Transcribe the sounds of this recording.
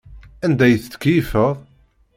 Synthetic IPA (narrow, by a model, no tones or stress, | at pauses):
ænd̪æjθt̪ːə̥kjifəʁˤ